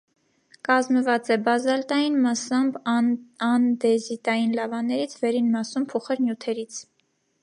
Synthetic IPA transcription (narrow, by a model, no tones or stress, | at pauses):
kɑzməvɑt͡sɛbɑzɑlt̪ɑjinmɑsɑmbɑnd̪ɛzit̪ɑjinlɑvɑnːɛɾit͡sʰvɛɾinmɑsumpʰɔχɛɾnjut̪ʰɛɾit͡sʰ